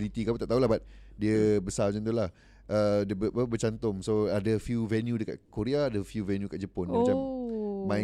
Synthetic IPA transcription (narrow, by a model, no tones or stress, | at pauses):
lit̪ikabũt̪aʔt̪aɦulahbat̪̚diəbəsad͡ʒant̪̬ulah | ʔədəəəbət͡ʃant̪ʊŋsoadəfjuvɛnjũdəka̰t̪̚koɾeaːdəfjuvɛnjukaʔ̚d͡ʒəponmat͡ʃamːã